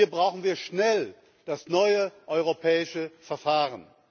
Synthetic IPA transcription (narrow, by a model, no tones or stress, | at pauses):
ɐbʁaʊxn̩viːɐʃnɛl | d̥asnɔʏəʔɔʏʁopʰɛːɪʃəfɛɐfaːʁən